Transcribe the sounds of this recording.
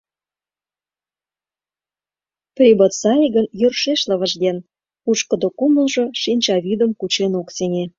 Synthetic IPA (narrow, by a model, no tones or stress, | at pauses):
prʲibət̪sɑlʲiɡənjørʃeʃlə̆βə̆ʒd̪en | uʃkə̆d̪okumə̆lʒoʃinʲt͡ɕɑβʲid̪əmkut͡ɕenoksenʲe